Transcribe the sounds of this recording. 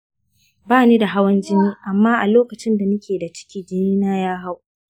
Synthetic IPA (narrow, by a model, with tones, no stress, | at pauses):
baː˦niː˦da˨ɦa˦wɐ˦nd͡ʒɪ˦niː˦ʔa˨mːaː˦ʔa˨loː˦kɐ˨t͡ʃɪ˦nda˨nʊ˦kʲeː˨da˨t͡ʃɪ̥˦kʲiː˦d͡ʒɪ˦niː˦naː˦jaː˦ɦa˦w